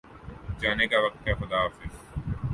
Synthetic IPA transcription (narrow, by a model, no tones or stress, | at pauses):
d͡ʒaːnekaʋɐk̚t̪ɦɛxʊd̪aːfɪs